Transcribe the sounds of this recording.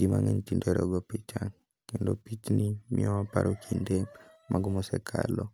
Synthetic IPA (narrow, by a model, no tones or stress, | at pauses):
ima̰ŋɛɲtindeɾɔɡɔpit͡ʃaŋ | kindopit͡ʃnimiɔapa̰ɾʔokʰinde | mʔaɡumɔsɛkʰalɔ